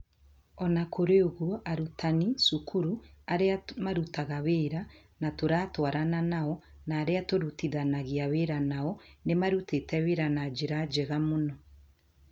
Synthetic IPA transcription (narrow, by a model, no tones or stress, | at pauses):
ɔnakʰoɾeoɣuɔʔaɾutʰanisukʰuɾuaɾeamaɾutaɣaweɾa | natoɾaːtwaɾananaɔ | naːɾeatoɾutiðanaɣiaweɾanaɔnemaɾutetɛweɾanad͡ʒeɾad͡ʒeɣamonɔ